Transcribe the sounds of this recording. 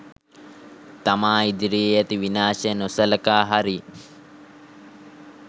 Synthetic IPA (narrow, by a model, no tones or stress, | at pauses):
t̪ɐmaːid̪iɾiːjɐt̪iʋinaːʃenosɐlɐkaːɦaɾi